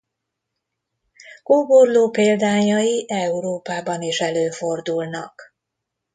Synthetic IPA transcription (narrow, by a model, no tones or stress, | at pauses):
koːborloːpeːld̪aːɲɒjiʔɛuɾoːpaːbɒniʃɛløːfo̞rd̪ulnɒk